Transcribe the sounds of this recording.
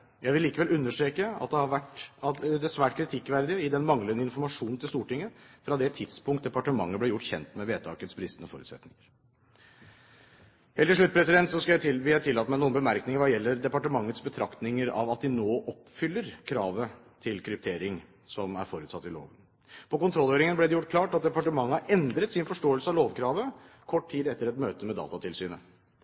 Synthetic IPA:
jæɪʋɪliːkəʋɛlʔʉnːəʂʈɾeːkəɑ̰t̪̚d̪ɛhɑɾʋæʈɑd̪ɛsʋæːʈ̚kʰɾɪt̪ʰɪkːʋæɾd̪ɪəɪd̪ɛnmɑŋlənəɪnfɔɾmɑʂuːnnʰɪlst̪uːʈɪŋːəfɾɑd̪ɛt̪ʰɪt̪spʊŋkt̪̚d̪ɛpɑʈəmɑŋːəblæjʊʈːçɛnt̪mɛʋeːt̪ʰɑːkət̪sbɾɪst̪ənəfo̰ːɾʉ̰ːt̪sɛ̰t̪nɪŋəɾ | heːlɪʂɭʉt̪̚ːpʰɾɛsɪd̪ɛnt̪sɔskɑljæʋɪlæɪt̪ʰɪlːɑːt̪mɛɪnuːənbəmæɾknɪŋəɾʋɑjɛlːəɾd̪ɛpɑʈəmɑŋːət̪sbət̪ʰɾɑkt̪nɪŋəɾɑ̰ʋɑt̪̚d̪ɪnoːʔɔpfʏlːəɾkʰɾɑːʋət̪ʰɪlkʰɾʏp̚t̪ʰeːɾɪŋ | sɔmæ̰ɾfoːɾʉːt̪sɑt̪ːɪlo̰ːʋən | pʰɔkʊnt̪ʰɾɔlːøːɾɪŋənblɛd̪ɛjʊʈ̚ːkʰlɑːʈɑt̪̚d̪ɛpɑʈəmɑŋːəɑɾɛnd̪ɾət̪sɪnfɔʂʈoːɛlsəɑʋloːʋkʰɾɑːʋə | kʰɔʈ̚ːt̪ʰiːd̪ɛt̪ːəɾɛt̪møːt̪əmɛd̪ɑ̰ːt̪ɑt̪ʰɪlsyːnə

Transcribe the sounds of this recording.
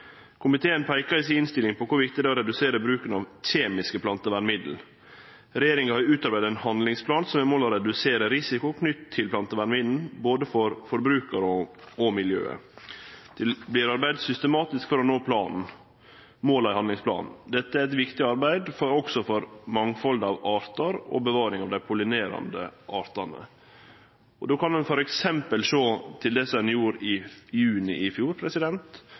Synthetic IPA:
kʰʊmɪt̪ʰeːənpʰæɪkəɪsɪɪnst̪ɪlɪŋpʰɔkʰʊɾʋɪkt̪ɪd̪ɛɔɾɛd̪ʉseːɾəbɾʉːkənɑʋçeːmɪskəpʰlɑnt̪əʋæɳmɪd̪l̩ | ɾɛjeːɾɪŋəhɑɾʉːt̪ɑɾbæɪd̪æɛnhɑnlɪŋspʰlɑːnsɔmɛɾmoːlɔɾɛd̪ʉseːɾəɾɪsɪkʊkʰnʏt̪t̪ʰːɪlpʰlɑnt̪əʋæɳmɪd̪n̩boːd̪əfɔɾfɔɾbɾʉːkəɾəɔɔmɪljø̰ːə̰ | d̪̥ɛblɪɾɑɾbæɪd̪sʏst̪əmɑːt̪ɪskfɔɾɔnoːpʰlɑːnn̩ | moːlɑɪhɑnd̪lɪŋsplɑ̰ːnn̩d̪ɛt̪ːəæɾɛt̪ʋɪkt̪ɪɑɾbæɪd̪fɔɾɔɡsɔfɔɾmɑŋfɔld̪ɑʋɑːɾt̪ɑɾɔ̰bəʋɑːɾɪŋɑʋd̪æɪpʰʊlɪneːɾɑ̰nd̪ə̰ʔɑːɾt̪ɑnə̰ | ɔd̪oːkʰɑnd̪ɛnfɔɾɛksɛmpəlʂoːt̪ʰɪld̪ɛsɛnjuːɾɪjʉːnɪʔɪfjuːɾpʰɾɛsɪd̪ɛnt̪

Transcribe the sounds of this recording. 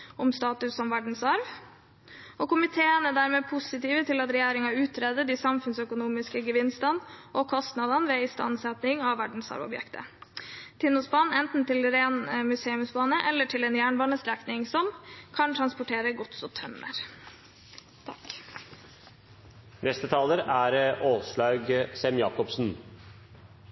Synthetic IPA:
ʊmst̪ɑːt̪ʉssɔmʋæɖɳ̩sɑɾʋ | ɔkʊmɪt̪ʰeːənəd̪æːɾmeːpʰʊsɪt̪iːʋət̪ʰɪlɑt̪ɾɛjæːɾɪŋɑʉːt̪ʰɾeːd̪əd̪iːsɑmfʉnsœkʊnuːmɪskəɡəʋɪnst̪ɑnʔɔkʰɔst̪nɑd̪ɑnʋeːɪst̪ɑ̰nsɛt̪nɪŋɑʋʋæɖɳ̩sɑ̰ɾʋɔ̰bjɛ̰kt̪ə̰ | t̪ʰɪnːʊsbɑːnɛnt̪n̩t̪ʰɪlɾeːnmʉseːʉmsbɑːnəʔɛlːəʈʰɪlɛnjæːɳbɑːnəst̪ɾɛknɪŋsɔmkʰɑnt̪ʰɾɑnspʊʈʰeːɾəɡɔt̪sɔt̪ʰœmːə̰ɾ | t̪ʰɑk | nɛst̪ət̪ʰɑːləɾæɾʔoːsɭɑːɡsɛmjɑ̰ːkɔpsn̩

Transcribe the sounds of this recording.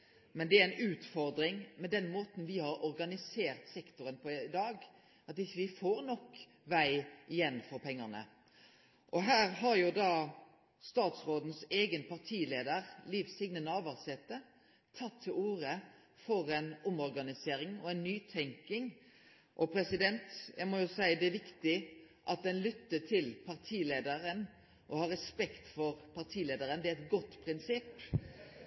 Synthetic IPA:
mɛnd̪ɛææɪnʉːt̪fɔɾd̪ɾɪŋmɛd̪ɛnmoːt̪n̩ʋɪhɑɾɔɾɡɑnɪseːɾt̪sɛkt̪ʊɾənpʰɔɪd̪ɑːɡ | ɑt̪ɪçːəʋɪfoːɾnɔk | ʋæɪɪjɛnːfɔɾpʰɛŋːəʁnə̰ | ʔɔɦæːɾɦɑɾjʊd̪ɑː | st̪ɑːt̪sɾoːd̪nseːɡənpʰɑʁt̪ʰiːleːd̪əɾliʋsɪɡnənɑːʋɑʁsɛt̪ːə | t̪ʰɑt̪ʰːɪluːɾə | fɔɾɛnʊmɔɾɡɑnɪseːɾɪŋɔɛɪnnyːt̪ʰɛŋkɪŋ | ʔɔpʰɾɛsɪd̪ɛnt̪jʔæ̰ɪmɔjʊsæɪəd̪ɛæʋɪkt̪ɪ | ʔɑt̪̚d̪ɛnlʏt̪ːət̪ʰɪlpʰɑɾt̪ʰiːleːd̪əɾən | ʔɔhɑɾɛspɛkt̪fɔɾpʰɑʁt̪ʰiːleːd̪əɾənd̪ɛæɛt̪ɡɔt̪ːpʰɾɪnsɪpː

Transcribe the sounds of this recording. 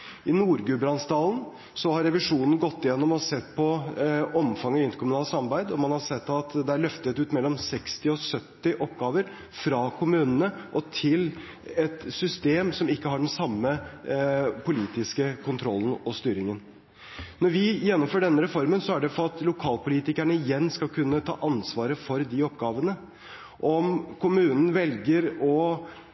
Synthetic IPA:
ʔɪnuːɾɡʉbɾɑnsd̪ɑːln̩ | sɔhɑɾɛʋɪʂuːnən̩ɡɔt̪ːɪjɛnːɔmsɛt̪ːpʰɔɔmfɑŋːɔɪnt̪əɾkʰʊmʉnɑːlsɑmɑɾbæɪd̪ɔmɑnhɑsɛt̪ːɑt̪d̪ɛæɭœft̪ət̪ʉːt̪mɛlːɔmsɛkst̪ɪɔsœt̪ːɪʔɔpɡɑːʋəɾ | fɾɑkʰʊmʉːnənəʔɔt̪ʰɪl | ɛt̪sʏst̪eːmsɔmɪkːəɦɑɖɛnsɑmːə | pʰʊliːt̪ɪskəkʰʊnt̪ʰɾɔlːn̩ɔst̪yːɾɪŋən | nɔɾʋɪjɛnːɔmføːɖɛnːəɾɛfɔɾmənsɔæɖɛfɔɑt̪lʊkʰɑːlpʊliːt̪ɪkæɳəɪjɛnːskɑlkʰʉnːət̪ʰɑ̰ːʔɑnsʋɑːɾəfɔɾd̪ɪɔpɡɑːʋənə | ʔɔmkʰʊmʉːnən̩ʋɛlɡəɾɔ

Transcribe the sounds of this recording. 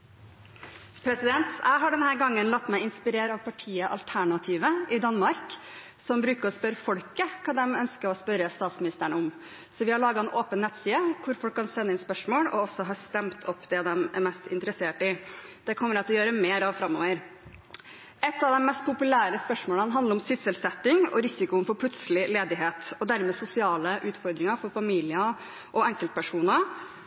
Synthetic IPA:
pʰɾɛsɪd̪ɛnt̪jʔæ̰ɪɦɑɖɛnhæːɾɡɑŋːənlɑt̪ːmæɪɪnspɪɾeːɾɑʋpʰɑʈʰiːəʔɑ̰lt̪ʰæɳɑt̪ʰiːʋəʔɪd̪ɑnmɑɾk | sɔmbɾʉːkəɾɔspœɾfɔlkəkʰɑːd̪ɛmœnskəɾɔspœɾəst̪ɑːt̪smɪnɪst̪əɳəʊm | sɔʋɪhɑɭɑːɡɑɛnoːpənːɛt̪siːəkʰʊɾfɔlkʰːɑnsɛnːəɪnspœʂmoːɽɔ̰ɔsɔɦɑɾst̪ɛmt̪ʰɔpːd̪ɛd̪ɛmæ̰ɾmɛst̪ɪnt̪əɾəseːʈɪd̪̥ɛkʰɔmːəɾɛt̪ʰljøːɾəmeːɾɑʋfɾɑmːo̰ːʋəɾ | ɛt̪ːɑʋd̪ɛmmɛst̪̚pʰʊpʉlæːɾəspœʂmoːlənɦɑnd̪əɾɔmsʏsəlsɛt̪ːɪŋɔ̰ɾɪsɪkʊnfɔɾpʰlʉt̪səlɪleːd̪ɪɦeːt̪ɔd̪æɾmɛsʊsɪɑːləʔʉːt̪fɔɾd̪ɾɪŋɑɾfɔɾfɑmiːlɪə | ʔɔɛŋkəlt̪̚pʰæʂuːnə

